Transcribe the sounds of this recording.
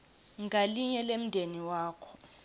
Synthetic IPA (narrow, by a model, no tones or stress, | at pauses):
ŋɡʱaliɲɛlem̩dʱeniwaːkʰɔ̥